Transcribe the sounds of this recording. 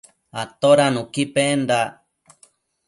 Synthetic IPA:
at̪oɾanũkipend̪a

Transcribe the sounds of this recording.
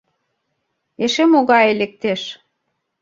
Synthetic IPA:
eʃemoɣɑelek̚t̪eʃ

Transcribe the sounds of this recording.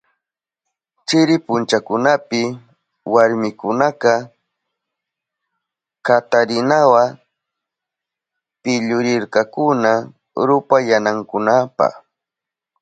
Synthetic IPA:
t͡ʃɪɾɪpʊnt͡ʃakʊnapɪ | waɾmɪkʊnaqɑ | kat̪aɾɪnawa | pɪʎʊɾɪɾkɑkʊna | ɾʊpajanaŋkʊnapɑ̰χ

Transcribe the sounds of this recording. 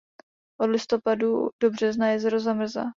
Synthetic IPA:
ʔodlɪst̪o̞padud̥obr̝ɛznajɛzɛɾozamr̩za̰

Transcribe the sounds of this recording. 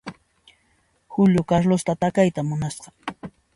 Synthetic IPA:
hʊʎʊkaɾlʊst̪at̪akajt̪amʊnasɢɑ̥

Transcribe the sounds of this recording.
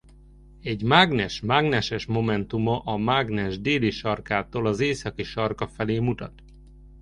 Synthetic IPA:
ɛɟmaɡnɛʃmaɡnɛʃɛʃmo̞mɛnt̪umɒʔɒmaɡnɛʒd̪eːliʃɒrkaːt̪oːlɒzeːsɒkiʃɒrkɒfɛleːmut̪ɒ̰t̪

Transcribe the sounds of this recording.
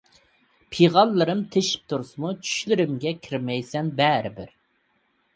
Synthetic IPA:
pʰiʁɑlˠːɨɾɨmt̪ʰeʃi̥p̚t̪ʰuɾsɨmut͡ʃʰy̥ʃlɪɾɪmɡʲɛkʲʰiɾmɛjsɛnbɛɾɪbɪɾ

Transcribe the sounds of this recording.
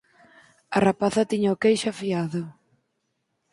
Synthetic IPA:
ɐrapaθɐt̪iɲaokejʃafiaðʊ

